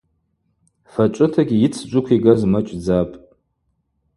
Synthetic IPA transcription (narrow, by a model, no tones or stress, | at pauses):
fat͡ʃʷʼɨtʰaɡʲijit͡sʰd͡ʒʷʊkʷʰiɡazmat͡ʃʷʼd͡zapʼ